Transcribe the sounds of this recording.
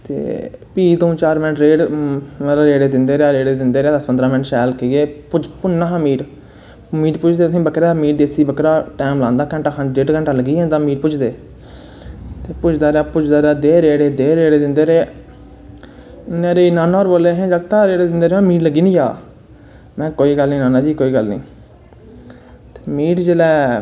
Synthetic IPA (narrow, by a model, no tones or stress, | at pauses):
t̪ḛːpiːt̪ũːt͡ʃaːɾmɛnəʈɾeːɽ | ɾeːɽeːd̪ɪnd̪eːɾeaːɾeːɽeːd̪ɪnd̪eːɾeaːd̪əspənd̪ɾaːmənʈʃɛːlkeeːpʊt͡ʃpʊnːãːɦamiːʈ | miːʈpʊt͡ʃʰd̪eːəsĩːbəkɾaːmiːʈd̪eːsiːbəkɾaːʈɛːmlãːnd̪aːkə̃ɳʈaːkʰanɖeːʈkə̃ɳʈaːləɡiːɦɛ̃ːt̪ãːmiːʈpʊt͡ʃʰd̪eː | t̪eːpʊt͡ʃʰd̪aːɾeaːpʊt͡ʃʰd̪aːɾeaːd̪eːɾeːɽeːd̪eːɾeːɽeːd̪ɪnd̪eːɾeː | neːɾeːnaːnaːɔːɾboːleːɦɛ̃ːd͡ʒəɡt̪aːɾeːɽeːd̪ɪnd̪eːɾeːãːmiːʈləɡiːnijaː | mɛ̃ːkoːiːɡəlnĩːnaːnaːd͡ʒiːkoːiːɡəlnḭ̃ː | t̪eːmiːʈd͡ʒeːlɛː